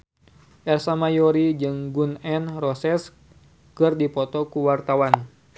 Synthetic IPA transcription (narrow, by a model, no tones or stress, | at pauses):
ʔɛrsamajɔɾid͡ʒɨŋɡunɛnrɔsɛs | kɨrdipɔt̪ɔkuwart̪awan